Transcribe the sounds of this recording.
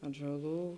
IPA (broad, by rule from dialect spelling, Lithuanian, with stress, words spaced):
ɐdʒɐˈlˠuː